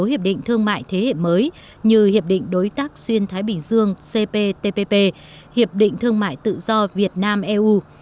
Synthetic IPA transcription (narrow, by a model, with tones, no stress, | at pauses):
hi˨˩əɗḭ̈˧˨ŋ̟t̪ʰɨ˧əŋma̰ː˧˨jt̪ʰe˨˦hḛ˧˨məː˨˦j | ɲɨ˧hi˨˩əp̚ɗḭ̈˧˨ŋ̟ɗo˨˦jt̪aː˦˥k̚swi˧ənt̪ʰaː˨˦jɓï˨˩ŋ̟zɨ˧əŋse˧pe˧t̪e˧pe˧pe˧ | hi˨˩əp̚ɗḭ̈˧˨ŋ̟t̪ʰɨ˧əŋma̰ː˧˨jt̪ɨ̰˧˨zɔ˧vi˨˩ət̚naː˧mʔɛ˧ʔu˧